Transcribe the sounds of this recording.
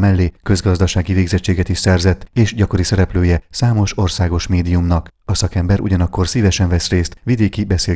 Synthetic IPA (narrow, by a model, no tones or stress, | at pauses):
mɛlːeːkø̞zɡɒzd̪ɒʃaːɡiveːɡzɛt͡ʃːeːɡɛt̪iʃsɛrzɛt̪ːeːʃɟɒko̞ɾisɛɾɛpløːjɛsaːmo̞ʃo̞rsaːɡo̞ʃmeːd̪ijumnɒkɒsɒkɛmbɛɾʔṵɟɒnɒkːo̞rsiːvɛʃɛɱvɛsreːst̪ʋid̪eːkibɛseː